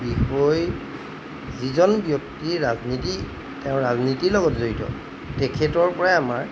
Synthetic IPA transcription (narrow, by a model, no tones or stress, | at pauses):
bixɔj | zizɔnbjok̚tiɹazniti | teʊ̃ɹaznitiɹlɔɡɔtzoɹitɔ̰ | tɛkʰɛtɔɹpɔɹaamaɹ